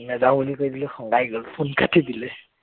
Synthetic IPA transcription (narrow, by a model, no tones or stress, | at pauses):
mɛzabulikojdilɛxɔŋɡajɡɔlpʰunkʰatʰidilɛ